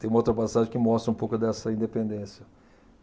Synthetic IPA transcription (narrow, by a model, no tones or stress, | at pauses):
t̪ẽj̃ũmɐowt̪ɾɐpasaʒẽkɪmɔst̪ɾɐũpowkʊd̪ɛsɐĩnd̪epẽnd̪ẽsjɐ